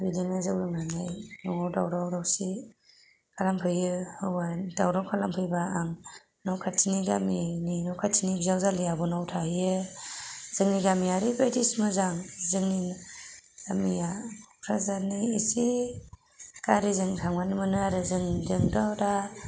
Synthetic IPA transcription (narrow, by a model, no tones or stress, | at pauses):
bidinazawɾɯŋanajnɔŋawdawɾawɾawsi | kʰalampʰɯjɯhɯwbadawɾawkʰalampʰɯjbaaŋ | nɔwkʰatʰiniɡamininɔwkʰatʰiniɡzawzalijabɔnawtʰajɯ | z̥ɯŋniɡamijaɾibajtismɯzaŋzɯŋni | ɡamijapʰɾazaniːsi | kaɾizɯŋtʰaŋmanɯmɯnɯaɾɯzɯŋzɯŋdawda